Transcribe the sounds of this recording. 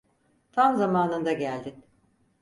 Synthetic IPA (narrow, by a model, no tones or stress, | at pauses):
t̪ʰamzamaːnɯnd̪aɟælʲd̪in